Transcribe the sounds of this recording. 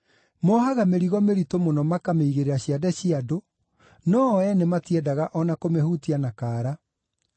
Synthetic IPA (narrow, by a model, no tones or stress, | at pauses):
mɔhaɣameɾiɣɔmeɾitomonɔmakameiɣeɾeɾaɕiadɛɕiado | nɔɛnematiɛdaɣaʔɔnakomehutianakaːɾa